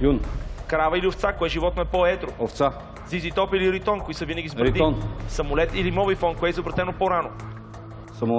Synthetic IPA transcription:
junkɾavəilioft̪sakoɛʒivɔt̪̚noɛpoɛt̪ɾooft̪sa | zizit̪ɔpiliɾit̪ɔnkoisəvinəɡʲizbɾɛid̪iɔnsɐmolɛt̪ilimɔbifɔnkoɛizobɾɐt̪ɛnopoɾano | sɐmo

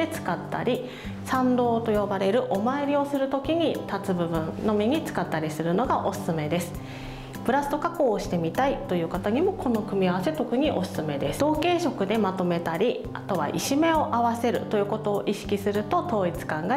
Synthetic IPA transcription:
e̞t͡sɨ̥kat̪ːa̰ɾʲi | sãnd̪o̞ːt̪o̞jo̞baɾe̞ɾɯ̟ʔo̞mae̞ɾʲio̞sɨɾɯ̟t̪o̞kʲiɲ̟it̪at͡sɨbɯ̟bɯ̟̃nno̞mʲiɲ̟it͡sɨ̥kat̪ːaɾʲisɨɾɯ̟no̞ɡaʔo̞sɨ̥sɨme̞d̪e̞sɨ̥ | pɯ̟ɾasɨ̥t̪o̞kako̞ːɕi̥t̪e̞mʲit̪ait̪o̞jɯ̟ːkat̪aɲ̟imo̞kʰo̞no̞kɯ̟mʲiaβase̞t̪o̞kɯ̟ɲ̟iʔo̞sɨ̥sɨme̞d̪e̞sɨ̥d̪o̞ːke̞ːɕo̞kɯ̟d̪e̞mat̪o̞me̞t̪aɾʲi | at̪o̞βa̰ʔḭɕime̞o̞ʔaβase̞ɾɯ̟̰t̪o̞jɯ̟ːko̞t̪o̞ːʔiɕi̥kʲisɨɾɯ̟t̪o̞t̪o̞ːit͡sɨ̥kãŋɡa

